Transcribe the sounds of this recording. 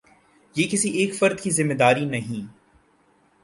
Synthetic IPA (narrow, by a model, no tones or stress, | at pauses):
jeːkɪsiʔeːkfɐɾd̪kizɪmːed̪aːɾinɐɦĩː